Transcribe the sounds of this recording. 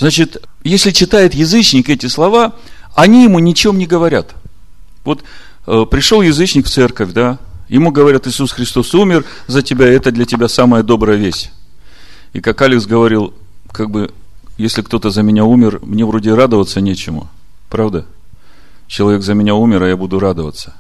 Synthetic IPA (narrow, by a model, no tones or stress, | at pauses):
znat͡ɕɪt̪jesʲlʲɪt͡ɕɪt̪ajɪt̪jɪzɨt͡ɕnʲɪkɛtʲɪslˠɐvaɐnʲijɪmunʲɪt͡ɕemnʲɪɡəvɐɾʲat̪ | vo̞t̪ | əpɾʲɪʂolˠjɪzɨt͡ɕnʲɪkft̪sɛrkəfʲd̪ajɪmuɡəvɐɾʲat̪ɨsusxɾʲɪst̪o̞sumʲɪr | zətʲɪbʲaɛt̪əd̪lʲətʲɪbʲasaməjəd̪o̞bɾəjəvʲesʲ | ikakalʲɪksɡəvɐɾʲilˠ | kaɡ̚bɨ | jesʲlʲɪkt̪o̞t̪əzəmʲɪnʲaumʲɪrmnʲe̞vɾo̞dʲɪrad̪əvət̪sənʲet͡ɕɪmʊ̰ | pɾavd̪ə | t͡ɕɪlˠɐvʲe̞kzəmʲɪnʲaumʲɪɾɐjabud̪ʊɾad̪əvə̰t̪sːə̥